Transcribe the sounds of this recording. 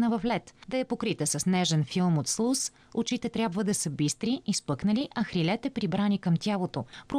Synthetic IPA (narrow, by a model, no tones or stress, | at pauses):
nəvɐflɛt̪d̪ɐɛpokɾit̪əsɐsnɛʒɛnfilˠmot̪slˠus | ot͡ʃit̪ɛt̪ɾʲjabvəd̪ɐsəbist̪ɾiːspɤknəliʔɐxɾilɛt̪ɛpɾibɾanikɐmt̪ʲjalˠot̪opɾo